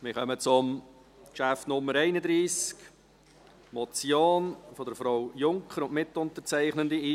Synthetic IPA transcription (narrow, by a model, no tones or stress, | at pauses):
mɪχœmət͡sʊm | kʃæfnʊmːəɾɛɪnədɾiːsk | mɔt͡sjoːnfɔdəɾfɾɔwjʊŋkχəɾʊnʔmɪtʊntət͡sæɪχnəndəiiː